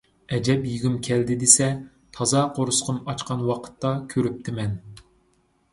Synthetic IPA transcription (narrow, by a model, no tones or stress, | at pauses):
ɛd͡ʒɛpjiɡʲymkʲʰɛld̪ɪd̪esɛ | t̪ʰɑzɑqʰoɾʊsqʰʊmɑt͡ʃqʰɑnwɑqʰə̥t̪ːɑkʲʰøɾyp̚t̪ʰɪmɛn